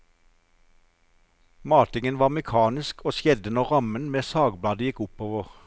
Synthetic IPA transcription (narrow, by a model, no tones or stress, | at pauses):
mɑːt̪ɪŋənʋɑːʁmɛkʰɑːnɪskʰoːsjɛd̪ənɔʁʁɑmənmeːsɑːɡblɑːd̪əjɪkʊpoːʋəʁ